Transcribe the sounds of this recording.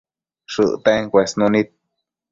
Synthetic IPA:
ʂɨ̰ʔt̪eŋkʷesnũnĩt̪̚

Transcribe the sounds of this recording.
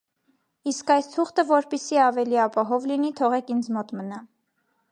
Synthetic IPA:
iskɑjst̪ʰuχt̪əvɔɾpɛsiɑvɛliɑpɑɦɔvlinit̪ʰɔʁɛkʰind͡zmɔt̪mənɑ

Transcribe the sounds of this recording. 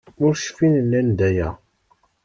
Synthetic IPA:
ʊɾʃfinənːænd̪æjæ

